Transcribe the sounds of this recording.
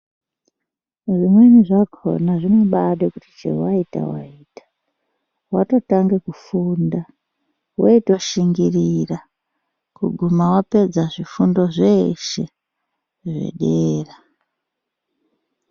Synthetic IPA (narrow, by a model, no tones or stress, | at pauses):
ʐimwe̞niʐakʰo̰naʐino̞ɓaɗekuti̥t͡ʃḛwaita̰wa̰iːtḁ | wa̰to̞taŋɡekufuːnda | wʔoito̞ʃiŋɡirira | kṵɡʱumawape̞d͡zaʐifundo̞ʐeʃe̞ | ʐḛɗeːra